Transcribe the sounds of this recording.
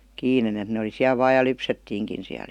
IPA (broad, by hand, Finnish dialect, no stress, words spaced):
kiːnen et ne oli siæl ʋɑːj̆ jɑ lypsetːiːŋkin siæl